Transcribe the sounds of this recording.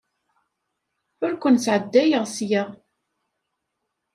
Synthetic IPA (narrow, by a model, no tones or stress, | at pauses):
ʊɾkʷːənt͡sʕəd̪ːæjəʁsjaʁ